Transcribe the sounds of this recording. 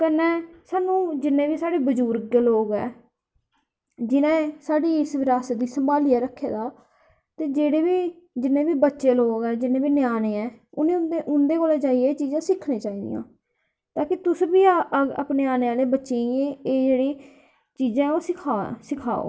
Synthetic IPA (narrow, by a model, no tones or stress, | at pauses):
kənẽːsaːnũːd͡ʒɪnːẽːbiːsaːɖeːbəd͡ʒuːɾeloːɡɛ̰ː | d͡ʒɪnẽːsaːɖiːɪsʋɪɾaːsd̪iːsəmbaːlɪjaːɾəkʰːḛːd̪aː | t̪eːd͡ʒeːɽeːbiː | d͡ʒɪnːẽːbiːbətːʃeːloːɡɛːd͡ʒɪnːẽːbiːnɪjaːnẽːɛːʊnẽːʊeʔʊnd̪eːkoːlɛːt͡ʃaːiːeːt͡ʃiːzãːsɪkʰniẽːt͡ʃaːiːd̪ḭjã̰ː | t̪aːkiːt̪ʊsbiːa̰pneːaːneːaːleːbətːʃeːieeːd͡ʒeːɽiː | t͡ʃiːzãːɛːoːsɪkʰaːsɪkʰa̰ːo̰ː